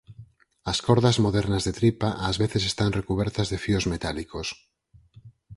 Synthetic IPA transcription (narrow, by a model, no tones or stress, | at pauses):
askoɾðazmoðeɾnazðet̪ɾipaʔazβeθesest̪anrekuβ̞ɛɾt̪azðefiozmet̪alikos